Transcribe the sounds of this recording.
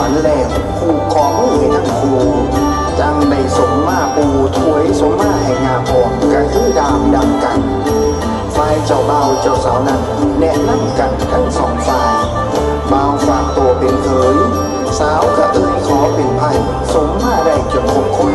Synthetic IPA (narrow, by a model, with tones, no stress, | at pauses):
a˨˦nlɛː˧˩ŋ | kʰuː˧˩kʰɔː˨˦ma˧˥˩jhe˨˦n̚na˧˥˩mkʰuː˧˩ | t͡ɕa˧ŋma˧˩jso˨˦ŋmaː˧˩pʰuː˧t̪ʰu˧˥˦ə˨jso˨˦ŋmaː˧˩ɦa˧˨˩jŋaː˧˩pʰɔː˨˩ŋka˧˩tiː˧˥˨daː˧mda˧mka˨˩n | faː˧jt͡ɕa˨˧˩wbaː˧˩˨wt͡ɕa˧˩wsaː˨˦wna˧˥˩n | nɛ˧˥ʔna˧˥˩mka˨˩nt̪a˧˩ŋsɔː˨˦ŋtaː˧j | baː˧wfaː˧˩k̚t̪uː˧˩ɐpe˨˩np̪ʰɤː˨˦j | saː˨˦wka˧˩t̪ʰɯ˧˩tkʰɔː˨˦pe˨˩npʰa˧˩j | so˨˦ŋmaː˧˩ɾa˧˩jki˧˩əp̚kʰo˨˧˦p̚kʰo˧˩˨n